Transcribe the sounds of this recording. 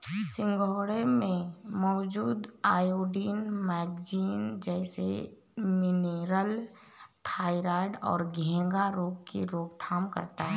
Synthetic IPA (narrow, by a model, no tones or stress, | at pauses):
sɪ̃ŋɡʱoːɽemẽmɔːd͡ʒuːd̪aːjoːɖiːnmɛːɡd͡ʒiːnd͡ʒɛːsḛ | mɪneɾəl | t̪ʰaːɪɾaːɖɔ̰ːɾɡʱɛ̃ːŋɡaɾoːɡkiɾoːɡt̪ʰaːmkə̰ɾt̪aɦɛ